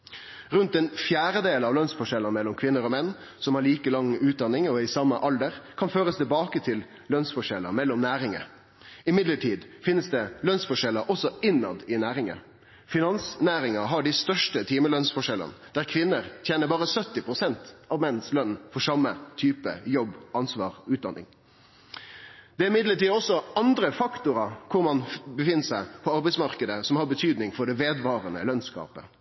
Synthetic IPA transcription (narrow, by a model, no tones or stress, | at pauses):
ɾʉnt̪ɛnfjæːɾəd̪eːlɑʋlœnsfɔʂɛlːənmɛlːɔmkʰʋɪnːəɾɔmɛnː | sɔmhɑɾɭiːkəlɑŋʉːt̪̚d̪ɑnːɪŋɔɪsɑmːəʔɑld̪əɾkʰɑnføːɾəst̪ʰɪlbɑːkət̪ʰɪl | lœnsfɔʂɛlə̰mɛlːɔmnæːɾɪŋə̰ | ɪmɪd̪ləʈʰiːd̪fɪnːəsd̪ɛlœnsfɔʂɛlːəʔɔsɔɪnːɑ̰d̪ɪnæːɾɪŋə̰ | fɪnɑnsnæːɾɪŋɑɦɑɖɪst̪œʂʈət̪ʰiːməlœnsfɔʂɛlə̰nd̪æːɾkʰʋɪnːəɾt̪ʰjeːnəbɑːɾəsœt̪ːɪpʰɾʊsɛnt̪ɑʋmɛnːslœnːfɔʂɑmːət̪ʰyːpə̰jɔbʔɑnsʋɑ̰ːɾʉːt̪d̪ɑ̰nːɪ̰ŋ | d̪̥ɛæɾɪmɪd̪ləʈiːd̪ɔsɔɑnd̪ɾəfɑkt̪ʊɾɑkʰʊɾmɑnbəfɪnːəʂæɪpʰɔɑɾbɛɪsmɑʁkəd̪əsɔmhɑɾbət̪ʰyːd̪nɪŋfɔɖɛʋeːd̪ʋɑːʁənə̰lœnskɑ̰ːpə̰